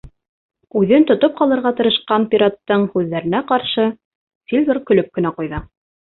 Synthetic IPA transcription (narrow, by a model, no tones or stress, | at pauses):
ʉðɘnt̪ŏt̪op̚qɑlˠɤ̆ɾʁɑt̪ɤ̆ɾɤ̆ʃqɑnpʲiɾat̪ːɤɴhʉðːæɾɘ̆næqɑɾʃɤ | sʲilʲd̪oɾkɵ̆lɵp̚kɘ̆næqujðɤ